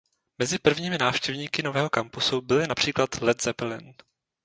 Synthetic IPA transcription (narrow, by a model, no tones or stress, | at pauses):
mɛzɪpr̩vɲiːmɪnaːfʃcɛvɲiːkɪnovɛːɦo̞kampʊsubɪlɪnapr̝̥iːklat̪lɛt̪z̥ɛpɛlɪn